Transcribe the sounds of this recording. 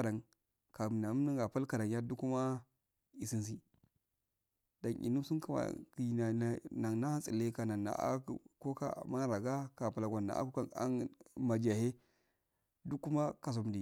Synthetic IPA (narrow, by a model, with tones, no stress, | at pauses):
da˨ŋ | ka˨bna˨˦na˦ŋɡa˨pa˦lka˨da˨ŋja˦du˦kːu˦ma˦ | i˨si˦ns̬i˦ | da˨nʔḭ˨nu˦su˦nka˨a̰˨ki˨na˨na˨ŋna˦ha˦nsḭ˨le˦ka˨na˨ŋa̰˨a̰˦˨ko˦ka̰˨˦˨ma˦ɾa˨ɡa˦ka˨pa˨la˨ɡʷa˨nːa̰˨ʔa̰˦ka˨a̰˦nma˨d͡ʒa˨he˦ | du˦kːu˦ma˦ka˨s̬o˨mdi˨